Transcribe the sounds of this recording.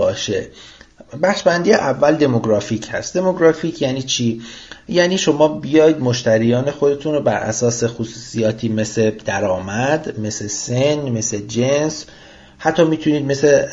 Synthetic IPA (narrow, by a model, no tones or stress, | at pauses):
bɒːʃḛ | bæxʃbænd̪iːjeʔævːæld̪e̞moɡɾɒːfiːcʰhæ̰st̪d̪e̞moɡɾɒːfiːcʰjæːniːt͡ʃʰiːjæːniːʃo̞mɒːbijɒːjid̪moʃt̪ʰæɾijɒːne̞xod̪e̞t̪ʰunɾobæɾʔæ̰sɒːse̞xosuːsijɒːt̪ʰiːme̞sled̪̥æɾɒːmæd̪me̞slesenme̞sled͡ʒens | hæt̪ʰːɒːmiːt̪ʰuniːd̪̚me̞se